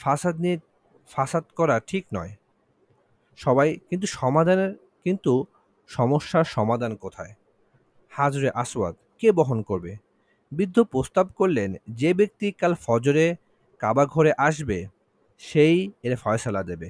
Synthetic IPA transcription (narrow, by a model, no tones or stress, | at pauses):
fasad̪ni | fasad̪kɔɾaʈʰiknɔ̰e | ʃɔbajkint̪̬uʃɔmad̪ʱaneɾ | kint̪u | ʃɔmoʃːaɾʃɔmad̪ʱankot̪ʰae | had͡ʑuɾeʔaswa̰d̪kebɔɦonkoɾbe | bid̪ʱːopɾost̪ab̚koɾlend͡ʑebek̚t̪ikalfɔd͡ʑoɾe | kabaɡʱoɾeʔaʃbe | ʃejeɾfaesalad̪ebe